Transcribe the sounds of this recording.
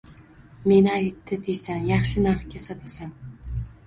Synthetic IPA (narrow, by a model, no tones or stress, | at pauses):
me̞nɪajt̪ʰːɪd̪ʰejsanjɑχʃɪnaɾχkʲasɒt̪ʰasan